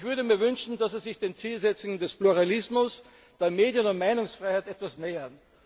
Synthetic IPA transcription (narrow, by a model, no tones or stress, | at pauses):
çv̥ʏɐɾəmiːɐvʏnʃn̩d̥asizɪçd̥eːnt͡siːlzɛt͡sʊŋəndɛspluʁalɪsmʊs | d̥eɐmeːdjənʊntmaɪnʊŋsfʁ̥aɪhaɪtɛtv̥asneːɐn